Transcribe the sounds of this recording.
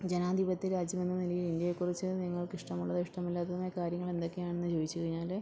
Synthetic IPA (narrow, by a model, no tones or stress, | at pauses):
d͡ʑe̞naːd̪ʱibɐt̪ːiɾaːd͡ʑjɐme̞nːɨnilɐjilindjɐjekːurit͡ɕːɨniŋːɐɭkiʂʈɐmuɭːɐðiʂʈɐmilːaːt̪ːɐðumeːjɐkaːɾjɐŋːɐɭe̞nd̪o̞kːe̞jaːɳenːɨt͡ɕo̞ːʋit͡ɕːuɣɐɻiɲːaːl